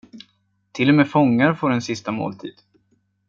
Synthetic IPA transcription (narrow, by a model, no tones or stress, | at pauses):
t̪ʰɪlːɔmeːfɔŋːaɾfoːɾɛnsɪst̪amo̰ːlt̪ʰḭːd̪̥